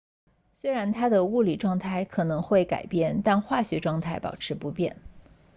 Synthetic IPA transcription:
swe˥ɪɻa˧˥nt̪ʰa˥d̪ə˨u˥˩li˨˩ʈ͡ʂwɑ˥˧ŋt̪ʰa˥˩ɪkʰɤ˨˩nɤ˧˥ŋxwe˥˩ɪka̰˨˩ɪpjɛ˥˩nt̪a˥˧nxwa˥˩ɕɥɛ˧˥ʈ͡ʂwɑ˥˧ŋt̪ʰa˥˩ɪpɑ̰˨˩ʊʈ͡ʂʰɻ̩˧˥pu˧˥pjɛ̰˥˩n

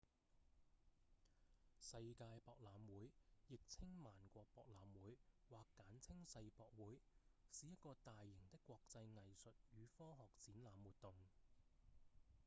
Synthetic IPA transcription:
sɐ˧jkaː˧jpɔː˧k̚laː˨˧mwuː˨˥jjɪ˨k̚t͡sʰɪ˥ŋmaː˨˩nkʷɔː˧k̚pɔː˧k̚laː˨˧mwuː˨˥jwaː˨kːaː˨˥nt͡sʰɪ˥ŋsɐ˧jpɔː˨k̚wuː˨˥jsiː˨jɐ˥t̚kɔː˧t̪aː˨jːɪ˨˩ŋt̪ɪ˥kːwɔː˧k̚t͡sɐ˧jŋɐ˨jsɵ˨t̚jyː˨˧fɔː˥ɦɔː˨k̚t͡siː˨˥nlaː˨˧mwuː˨t̪̚t̪ʊ˨ŋ

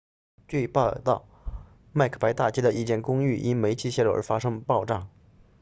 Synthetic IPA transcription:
t͡ɕwe˥˧ɪpɑ˥˧t̪ɑ˥˩ʊ | ma˥˩ɪkʰə̥˨˩pa˧˥ɪt̪a˥˩t͡ɕɛ˥d̪ə˧ʔi˥˩t͡ɕjɛ˥˩nkʊ˥ŋy˥˩ʔi˥nme˧˥ɪt͡ɕʰi˥ɕjɛ˥˧lu˥˩ʔə̰˧˥fa˥ʂɤ˥ŋpɑ˥˧ʊʈ͡ʂɑ˥˩ŋ

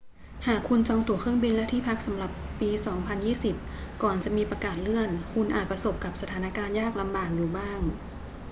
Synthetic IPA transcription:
haː˨˩kʰːu˧nt͡ɕɔː˧ŋt̪u˨˩əkʰɯ˥˩əŋbi˧nlɛ˦˥wt̪ʰiː˥˩pʰa˦˥k̚sa˨˩˦mla˨˩pːiː˧sɔː˩˦ŋpʰa˧njiː˥˩si˨˩p̚ | kɔː˨˩nt͡ɕa˨˩miː˧pɾa˧kaː˨˩t̪̚lɯ˥˩ənkʰu˧nʔaː˨t̪̚pɾa˧so˨˩p̚ka˨˩p̚sa˧t̪ʰaː˩˦na˦˥kaː˧njaː˥˩k̚la˧mbaː˨˩k̚juː˨˩baː˥˩ŋ

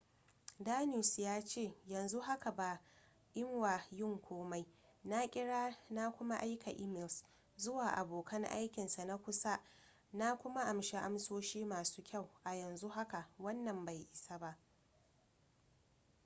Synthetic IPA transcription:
daː˦nu˦˨sjaː˦t͡ʃeː˦˨jɐ˨nzu˦ɦa˦ka˨baː˨ | ʔɪ˦ŋwa˨jɪ˦ŋkʷʰoː˦ma˦j | na˦kʲʼɪ˦ɽaː˦na˦kʷʊ˦ma˦ʔa˦jkʰa˨ʔɪ˦mɪ˨ls | zʊ˦waː˨ʔa˨boː˨kʰɐ˦ŋʔa̰˦jkʲɪ˨nsa˨na˦kʷʊ˦sa˦ | na˦kʷʊ˦ma˦ʔa˨mʃe˦ʔa˦msoː˦ʃiː˦maː˨su̥ː˦kʲʰa˦˨wʔa˨jɐ˨nzu˦ɦa˦ka˨wɐ˦nːɐ˨mba˨jʔɪ˨sa˦ba˦ʔ

